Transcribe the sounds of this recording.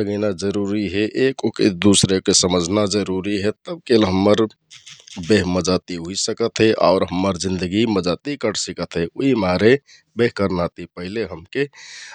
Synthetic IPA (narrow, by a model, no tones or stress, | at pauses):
səɡinad͡ʒəɾuɾiɦeʔekoked̪usɾekesəməd͡ʒʱnad͡ʒəɾuɾiɦet̪əb̚kelɦəmːəɾ | beɦməd͡ʒat̪iɦuisəkət̪ɦɛʔa̰ʊɾɦəmːəɾd͡ʒĩnd̪əɡiməd͡ʒat̪ikəɾsikət̪ʰɦeoimaɾe | beɦkəɾnat̪ipəɦileɦəmke